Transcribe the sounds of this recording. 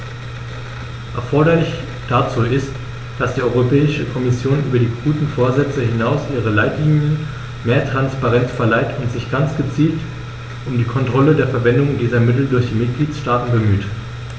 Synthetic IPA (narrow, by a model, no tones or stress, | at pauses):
ʔɛɐfɔɐɾɐlɪç | d̥at͡suːɪst | d̥asd̥iːʔɔʏʁopʰɛːɪʃəkʰɔmɪsjoːnʔyːbɐdiːɡuːtn̩foːɐzɛt͡səhɪnaʊsʔiːʁəlaɪtliːnjən | meːɐtʁ̥anspaʁɛnt͡sfɛɐlaɪtʊntz̥ɪçɡ̥ant͡sɡ̥ət͡siːlt | ʔʊmdiːkʰɔntʁ̥ɔlədeːɐfɛɐvɛndʊŋdiːzɐmɪtl̩dʊɐçd̥iːmɪt̚ɡ̥liːtʃtaːtn̩bəmyːt